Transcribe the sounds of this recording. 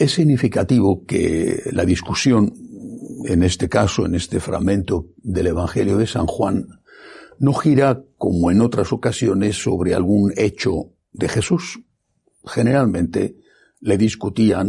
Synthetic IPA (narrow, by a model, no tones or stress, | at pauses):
e̞sːiɣnifikat̪iβ̞o̞kḛlaðiskusjo̞n | ḛne̞st̪e̞kasoe̞̰nest̪e̞fɾa̰ɣmẽnt̪od̪e̞le̞β̞aŋxe̞ljoðe̞sa̰ŋxwanː | o̞xiɾako̞moe̞no̞t̪ɾaso̞kasjo̞ne̞sːo̞̰β̞ɾe̞a̰lɣune̞t͡ʃo | d̪e̞xe̞sus | xe̞ne̞ɾalmẽ̞nt̪e̞ | le̞ðiskut̪ia